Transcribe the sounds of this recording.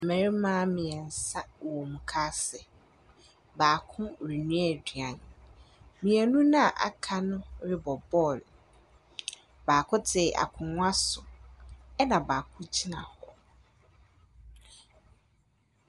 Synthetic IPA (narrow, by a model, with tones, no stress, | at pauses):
mɛ̃˨ɾi˦mã˦mĩ˨ɛ˨n̩˨sa˦wɔ˨mũ˨kʰaː˦sɛ˨ | baː˨kʰʊ̃˦˨ɾi˨nũ˦ɛ˨di˨ã˨n | mĩ˨ɛ˨nũ˦nã˦˨ʔa̰˨kʰa˦nʊ̃˦ɾɪ˦bɔ˨bɔ˦˨l | baː˨kʰʊ˦tʰɪ˨ʔa̰˨kʰʊ̃˨nʊ̃˦a˦sʊ˨ | ɛ˦nã˨baː˨kʰʊ̃˦t͡ɕʰi˦nã̰˨hɔ˦